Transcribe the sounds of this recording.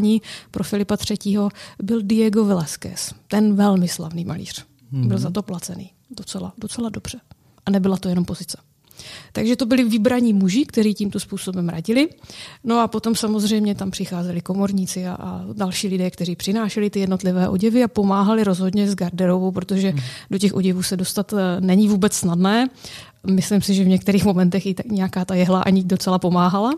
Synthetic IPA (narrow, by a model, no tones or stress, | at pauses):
ɲiːpɾʔofɪlɪpat̪r̝̥ɛciːɦo̞bɪldɪjɛɡo̞vɪlɛskɛ̰st̪ɛnvɛlmɪsla̰vniːma̰lḭːr̝̥ | bɪlzat̪o̞plat͡sɛnḭː | dot͡sɛlado̞t͡sɛlado̞br̥ɛ | ʔanɛbɪlat̪ojɛnompo̞zɪt͡sɛ̥ | t̪aɡʒɛt̪o̞bɪlɪvɪbɾaɲiːmuʒɪkt̪ɛɾiːciːmt̪ospuːso̞bɛmɾa̰ɟɪlɪno̞apo̞t̪o̞msamo̞zr̝ɛjmɲɛt̪ampr̥ɪxaːzɛlɪko̞moɾɲiːt͡sɪa̰ʔadalʃiːlɪdɛːkt̪ɛr̝iːpr̥ɪnaːʃɛlɪt̪ɪjɛdno̞t̪lɪvɛːʔo̞ɟɛvɪapo̞maːɦalɪɾo̞zɦo̞dɲɛzɡaɾdɛɾo̞vowpɾot̪o̞ʒɛdocɛxʔo̞ɟɛvuːsɛdo̞st̪at̪nɛɲɪvuːbɛt͡ssnadnɛː | mɪslɪmsɪʒɛvɲɛk̚t̪ɛɾiːxmo̞mɛnt̪ɛxɪt̪akɲɛjakaːt̪ajɛɦlaʔa̰ɲɪdo̞t͡sɛlapo̞maːɦala